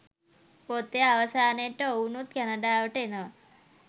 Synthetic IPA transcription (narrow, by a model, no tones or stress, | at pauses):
pot̪eɐʋɐsaːneʈːounut̪̚kɛnɐɖaːʋɐʈenɐ